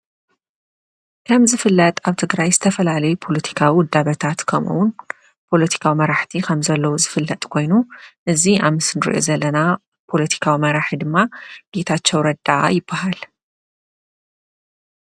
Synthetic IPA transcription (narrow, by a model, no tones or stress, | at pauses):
kʰɐmzɨfɨlːɐt̪ʼaβt̪ʰɨɡɾajzɨt̪ʰɐfɐlalɐjupʰo̞lɐt̪ʰi̥kʰawiwd̪ːaβɐt̪ʰat̪kʰɐmʔṵwʊn | pʰo̞lɐt̪ʰi̥kʰawimɐɾaħt̪ʰikʰɐmzɐlːɐwuzɨfɨlːɐt̪ʼkʰo̞jnuʔɨziaβmɨsɨnɨɾḭʔo̞̰zɐlːɐna | pʰo̞lɐt̪ʰi̥kʰawimɐɾaħid̪ɨmːaɡ̥e̞t̪ʰat͡ʃːɐwɾɐd̪aʔa̰jɪbːahal